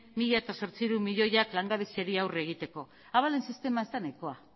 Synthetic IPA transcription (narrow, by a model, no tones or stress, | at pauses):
miʎaet̪aso̞ɾt͡siɾumiʎo̞jaklaŋɡaβiseɾiawreɣ̞it̪e̞ko̞ | aβale̞nsist̪e̞maezt̪anajko̞a